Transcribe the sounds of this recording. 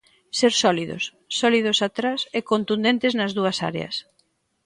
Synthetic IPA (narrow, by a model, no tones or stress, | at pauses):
seɾsɔliðo̰sːɔlið̞ʊsat̪ɾasɛkont̪und̪ẽnt̪ɪznɐzðuɐsa̰ɾḛɐ̰s